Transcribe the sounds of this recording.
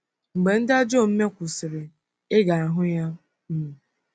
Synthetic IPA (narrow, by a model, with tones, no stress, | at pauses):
ŋ͡m̩˨ɡ͡be˨n̩˦da˦d͡ʒo˦˨m̩˦me˦kʷu˨sɪ˨ɾɪ˨ | e˦ɡa˨a˨ɦʊ˦ja˦ | m̩˦me˨